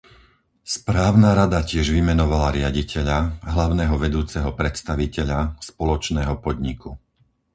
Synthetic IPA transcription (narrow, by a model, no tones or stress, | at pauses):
spɾaːʊnaɾad̪acɪɛʒʋimɛnɔʋalaɾɪaɟicʰɛʎaɦlaʊnɛːɦɔʋɛd̪uːt͡sɛɦɔpɾɛt̪st̪aʋicɛʎaspɔlɔt͡ʃnɛːɦɔpɔd̪ɲiku